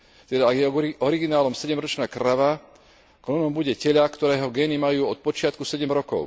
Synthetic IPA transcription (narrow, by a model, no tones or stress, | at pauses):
t̪ɛd̪aaɡjɛɔɾiɡinaːlɔmsɛɟɛmɾɔt͡ʃnaːkɾaʋa | klɔnɔmbuɟɛcɛʎakt̪ɔɾɛːɦɔɡɛːnimajuːɔt̪̚pɔt͡ʃɪat̪kusɛɟɛmɾɔkɔ̰ʊ